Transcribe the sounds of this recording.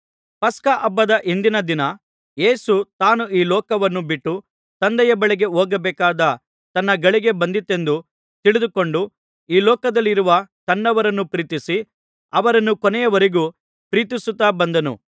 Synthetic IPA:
pɐskɐʔɐbːɐd̪ɐʔind̪inɐd̪inɐ | je̞ːsut̪aːnuʔiːlɔːkɐʋɐnːubiʈːu | t̪ɐnd̪ɛjɐbɐɭɛɡe̞ɦoːɡɐbɛːkaːd̪ɐ | t̪ɐnːɐɡɐɭiɡe̞bɐnd̪it̪ːe̞nd̪u | t̪iɭid̪ukoɳɖu | iːlɔːkɐd̪ɐlːiɾuʋɐt̪ɐnːɐʋɐɾɐnːupɾiːt̪isi | ɐʋɐɾɐnːukɔnɛjɐʋɐɾeɡu | pɾiːt̪̬isut̪ːaːbɐnd̪ɐnṵ

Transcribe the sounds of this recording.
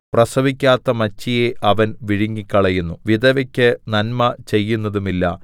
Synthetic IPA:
prɐsɐbikʲːaːt̪ːɐmɐt͡ɕːijeʔɐʋɐnʋiɻiŋːikʲːɐɭɐjunːuʋid̪ɐʋɐkʲːɨnɐnmɐt͡ɕe̞jːunːɐðumilːɐ

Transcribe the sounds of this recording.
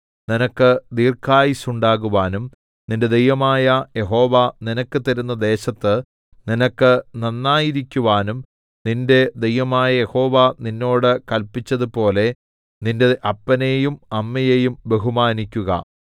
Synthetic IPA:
ninɐkːɨd̪iːrkʰaːjisuɳɖaːɣuʋaːnum | ninde̞d̪ejʋɐmaːjɐje̞ɦo̞ːʋɐninɐkːɨt̪ɐɾun̪ːɐd̪e̞ːɕɐt̪ːɨ | ninɐkːɨnɐnːaːjiɾikʲːuʋaːnum | ninde̞d̪ejʋɐmaːjɐje̞ho̞ːʋɐninːo̞ːɽɨkɐlpːit͡ɕːɐðupo̞ːle̞ | ninde̞ʔɐpːɐnejumɐmːɐjejumbe̞ɦumaːnikʲːuɣɐ̰

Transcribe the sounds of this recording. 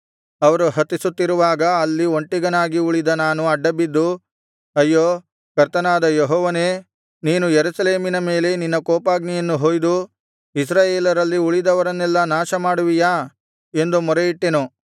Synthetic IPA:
ɐʋɐɾuɦɐt̪ːisut̪ːiɾuʋaːɡɐːlːio̞ɳʈːiɡɐnaːɡiuɭid̪ɐnaːnuɐɖːɐbid̪ːu | ɐjːoː | kɐɾt̪ɐnaːd̪ɐjeɦɔːʋɐneː | niːnujeɾusɐle̞ːminɐme̞ːle̞ninːɐkoːpaːɡnijɐnːuɦoːjd̪u | is̬ɾaːjeːlɐɾɐlːiuɭid̪ɐʋɐɾɐnːɛlːɐnaːʃɐmaːɽuʋijaː | e̞nd̪umɔɾejiʈːenu

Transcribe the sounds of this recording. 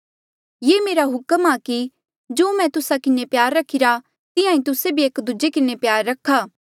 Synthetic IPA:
jeːmeːɾaɦʊkəmaːki | d͡ʒoːmɛ̃t̪ʊsakɪnepjaːɾːɐkʰːɪɾa | t̪ɪjãːĩt̪ʊsebʱieːkd̪ʊd͡ʒekɪnepjaːɾːɐkʰːaː

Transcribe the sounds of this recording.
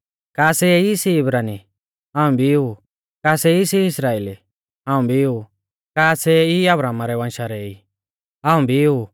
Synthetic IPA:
kaːsɛisiɪbɾaːni | ɦãːũbʱiu | kaːsɛisiɪsɾaːeːli | ɦãːũbʱiu | kaːsɛiɐbɾaːmaɾɛβãnʃaɾɛi | ɦãːũbʱiu

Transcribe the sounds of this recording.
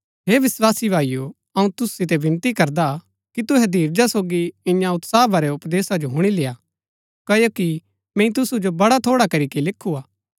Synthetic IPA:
ɦeːʋɪswaːsibʱaːiju | ɐũt̪ʊssɪt̪̬ɛbɪ̃nt̪ikɐɾd̪a | kit̪ʊɦɛd̪ʱiːɾd͡ʒasoːɡiɪ̃jãʊt̪saːbaɾɛʊpd̪eːsad͡ʒoɦʊɽ̃ileːaː | kɐjoki | mɛ̃ĩt̪ʊsud͡ʒobɐɽat̪ʰoːɽakɐɾikilɪkʰːuaː

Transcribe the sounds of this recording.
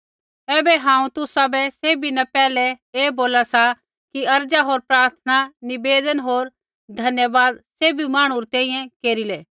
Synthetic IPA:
ɛːbɛɦãːũt̪ʊsabɛseːbinɐpɛːlɛeːboːlasa | kiɐɾd͡ʒaɦoːɾpɾaːɾt̪ʰənanɪbeːd̪ənɦoːɾ | d̪ʱɐnjəʋaːd̪seːbimaːɽ̃uɾt̪ɛ̃ːĩjɛ̃keːɾilɛː

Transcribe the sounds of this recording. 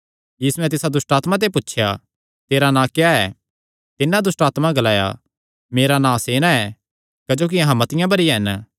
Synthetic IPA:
jiːsuɛ̃t̪̬ɪsad̪ʊsʈaːt̪mãt̪̬epʊtːʃʰja̰ | t̪eːɾanãːkjaɛː | t̪ɪnːãd̪ʊsʈaːt̪maɡɐlaːja̰ | meːɾanãːseːnaɛː | kɐd͡ʒoːk̬iɐɦãmɐt̪ɪjãbɐɾiɦɛn

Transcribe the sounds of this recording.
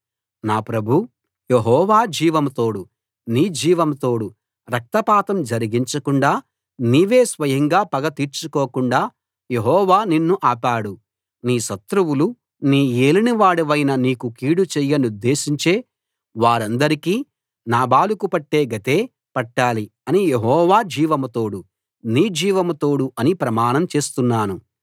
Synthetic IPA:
naːpɾɐbʱu | jeɦɔːʋaːd͡ʒiːʋɐmt̪o̞ːɽu | niːd͡ʒiːʋɐmt̪o̞ːɽu | ɾɐk̚t̪ɐpaːt̪ɐmd͡ʒɐɾiɡiɲt͡ʃɐkuɳɖaː | niːʋe̞ːsʋɐjɐŋɡaːpɐɡɐt̪iːɾt͡ʃukoːkuɳɖaː | je̞ɦɔːʋaːninːuʔaːpaːɽu | niːʃɐt̪ɾuwulu | niːeːliniʋaːɽuʋɐjnɐniːkukiːɽut͡ʃɛjːɐnud̪ːe̞ːʃiɲt͡ʃe̞ː | ʋaːɾɐnd̪ɐɾikiː | naːbaːlukupɐʈːe̞ːɡɐt̪e̞ː | pɐʈːaːliɐnijeɦɔːʋaːd͡ʒiːʋɐmɐt̪o̞ːɽu | niːd͡ʒiːʋɐmɐt̪o̞ːɽuɐnipɾɐmaːnɐmt͡ʃe̞ːst̪unːaːnu

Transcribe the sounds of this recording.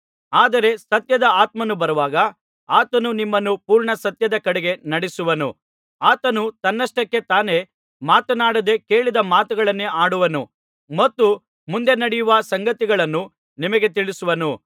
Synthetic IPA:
aːd̪ɐɾe̞sɐt̪jɐd̪ɐaːt̪mɐnubɐɾɐʋaːɡɐ | aːt̪ɐnunimːɐnːupuːɾɳɐsɐt̪jɐd̪ɐkɐɽɛɡe̞nɐɽisuʋɐnṵ | aːt̪ɐnut̪ɐnːɐsʈɐkːe̞t̪aːne̞ | maːt̪ɐnaːɽɐd̪e̞ke̞ːɭid̪ɐmaːt̪uɡɐɭɐnːeaːɽuʋɐnu | mɐt̪ːu | mund̪enɐɽijuʋɐsɐŋɡɐt̪iɡɐɭɐnːu | nimɐɡe̞t̪iɭisuʋɐnu

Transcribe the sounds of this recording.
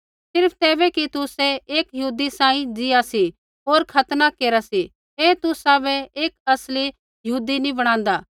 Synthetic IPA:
sɪɾpʰt̪ɛːbɛkit̪ʊsɛeːkjɐuːd̪isãːĩd͡ʒɪasi | oːɾkʰɐt̪nakeːɾasi | eːt̪ʊsabɛeːkɐsli | jɐɦuːd̪inĩbɐɽ̃ãːnd̪aː

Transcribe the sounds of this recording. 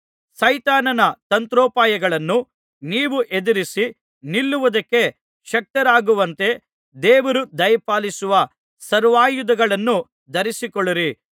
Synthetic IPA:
sɐjt̪aːnɐnɐt̪ɐnt̪ɾɔːpaːjɐɡɐɭɐnːu | niːʋuʔed̪ɐɾisi | nilːuʋɐd̪ɐkːe̞ | ʃɐk̚t̪ɐɾaːɡuʋɐnt̪e̞ | d̪ɛːʋɐɾud̪ɐjpaːlisuʋɐ | sɐɾʋaːjud̪ɐɡɐɭɐnːu | d̪ɐɾisikɔɭːiɾi

